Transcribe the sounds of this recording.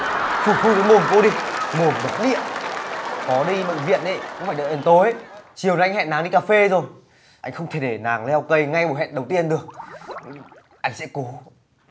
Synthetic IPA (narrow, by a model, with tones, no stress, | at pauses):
fu˨˩fu˧˩jto˨˦jmo˨˩nko˧˦ɗi˧mo˨˩ənɓə˨˦t̚ɗḭ˧˨əʔ | kɔ˨˦ɗi˧ɓə̰˧˨ŋ̟vḭ˧˨ənʔə̰˧˦jkṵ˧ŋ͡mfaː˧˩jɨ˨˩kʔe˨˩nt̪o˨˦jə˧˦t͡ɕi˨˩əwjŋhɛ̰˧˨nːaː˨˦ŋɗi˧kaː˧fe˧zo˨˩j | ʔa˧jŋ̟xə˧wŋ͡mt̪ʰe˧˩ɗe˧˩naː˨˩˦ŋlɛ˧wkə˧jŋa˧jɓo˧˩ɦɛ̰˧˨nɗə˨˩wt̪i˧ənɗɨ˨˩ək̚ | ʔa˧jŋ̟sɛ̰˧˥ko˨˦